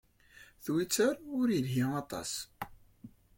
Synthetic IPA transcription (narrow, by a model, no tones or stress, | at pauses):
θwit͡sːəɾʊɾjəlɦiɑt̪ˤɑ̰s